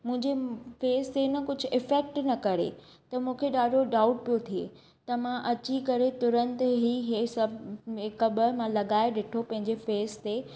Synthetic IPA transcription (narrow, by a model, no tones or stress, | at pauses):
mʊ̃ɦɪ̃ɲd͡ʑefeːst̪enɐkʊd͡ʑʱʊ̆ɪfɛk̚ʈnɐkɐɾḛ | t̪ɐmũːkʰeɗaːɖʱoɗaːʊʈpijot̪ʰiḛː | t̪ɐmãʔɐt͡ɕikɐɾet̪ʊɾə̃nt̪ɦiɦesɐbekɐbəmãlɐɠaːeɗɪʈʰopɐ̃ɦɪ̃ɲd͡ʑefeːst̪eː